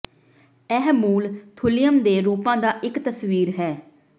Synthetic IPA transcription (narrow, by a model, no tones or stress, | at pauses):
ɛɦmuːlt̪ʰʊlɪjəmd̪eːɾuːpãːd̪aːʔɪkt̪əswiːɾɦɛː